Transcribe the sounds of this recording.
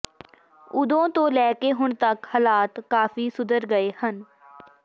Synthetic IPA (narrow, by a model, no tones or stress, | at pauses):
ʊd̪õːt̪õːlɛːkeːɦʊɳt̪əkhəlaːt̪kaːfiːsʊd̪əɾɡəeːhən